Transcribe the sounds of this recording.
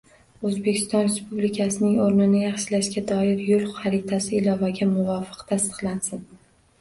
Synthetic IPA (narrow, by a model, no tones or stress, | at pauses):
ɵzbekʲʰɪ̥st̪ɒnɾe̞spublɪkʲʰasɪnɪŋoɾnɪnɪjɑχʃɪlaʃɡʲad̪ɒɪɾjolˠʊɑɾɪt̪ʰasɪːlɒvaɡʲamʊvɒfɨ̥qt̪ʰast̪ɨ̥qlˠansɪn